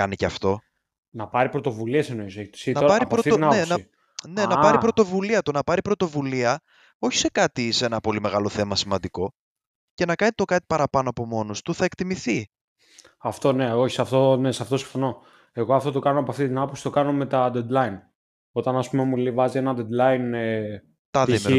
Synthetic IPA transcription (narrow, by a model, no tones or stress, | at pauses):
ɐniceɐft̪o̞ | nɐpɐɾipɾot̪o̞vuliesenoisoeçt̪sinɐpɐɾipɾoft̪iinɐpnoenɐi | nenɐpɐɾipɾo̞t̪o̞vuliɐt̪unɐpɐɾipɾo̞t̪o̞vuliɐ | o̞çi̥se̞kɐt̪isenɐpo̞lime̞ɣɐlo̞θe̞mɐsimɐnd̪iko̞ | ce̞nɐkɐnit̪o̞kɐt̪i̥pɐɾɐpɐnoɐpo̞mo̞nost̪uθɐe̞kt̪imiθi | ɐft̪o̞ne̞oçi̥sɐft̪onesɐft̪o̞si̥ɱ̥fo̞no̞ | e̞ɣoɐft̪o̞t̪o̞kɐnoɐpoɐft̪it̪inɐpopsi̥t̪o̞kɐno̞me̞t̪ɐd̪ed̪lɐin | o̞t̪ɐnɐspumemulivɐzienɐd̪ed̪lɐin | t̪ɐðim